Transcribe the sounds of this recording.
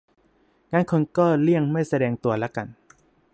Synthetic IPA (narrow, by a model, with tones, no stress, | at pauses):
ŋaː˧˥nkʰo˧nkɔː˥˩li˥˩əŋma˥˩jsa˧dɛː˧ŋt̪u˧ɐla˦˥ka˧n